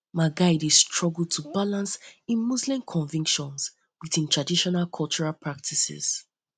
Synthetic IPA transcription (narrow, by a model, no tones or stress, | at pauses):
maɡaɪdistʰɹ̥ɔɡl̩ˠtʰubalãnsĩnmːuzlĩmkʰɔ̃ɱvĩŋkʃɔ̃nz | wiθĩntʰɹ̥adiʃɔnalkʰɔlˠt͡ʃɔɹalpʰɹak̚tʰisɪ̰z̥